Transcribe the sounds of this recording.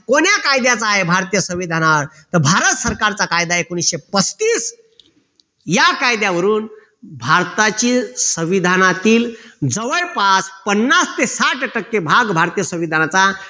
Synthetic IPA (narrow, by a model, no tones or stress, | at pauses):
koɳjakajd̪jat͡saːɦebʱaɾt̪ijəsə̃ʋid̪ʱanaɾ | t̪əɾbʱaɾət̪səɾkaɾt͡sakajd̪aekoñisɕepəst̪iːs | jakajd̪jaʋəɾuːn | bʱaɾt̪at͡ɕiːsə̃ʋid̪ʱanat̪iːld͡zəʋəjpat͡spənːast̪esaʈʈəkːebʱaɡbʱaɾt̪ijəsə̃ʋid̪ʱanat͡sa